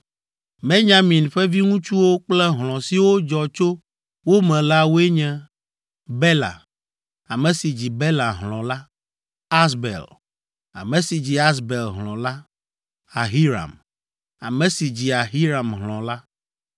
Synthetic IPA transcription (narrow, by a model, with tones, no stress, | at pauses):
mẽ˦ɲã˨mĩ˨nɸɛ˦vi˦ŋũ˦t͡ʃu˦wo˦k͡plɛ˦ɦlɔ̃˨si˨wo˦d͡ʒɔ˨t͡ʃo˦ | wo˦mɛ̃˨la˦wo˦e˦ɲɛ̃˦ | bɛ˦la̰˨ | a˨mɛ̃˨si˨d͡ʑi˨be˦la˨ɦlɔ̃˨la˦ | a˦sbḛ˨l | a̰˨mɛ̃˨si˨d͡ʑi˨a˦sbe˨lɦlɔ̃˨la˦ | a˨ɦi˦ɾa̰˨m | a̰˨mɛ̃˨si˨d͡ʑi˨a˨ɦi˦ɾa˨mɦlɔ̃˨la˦